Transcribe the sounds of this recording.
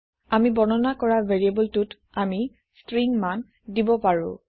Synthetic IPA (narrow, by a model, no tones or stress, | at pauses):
amibɔnɔnakɔɹaveɹiebɔltut | ami | stɹiŋman | dibɔpaɹʊ̰̃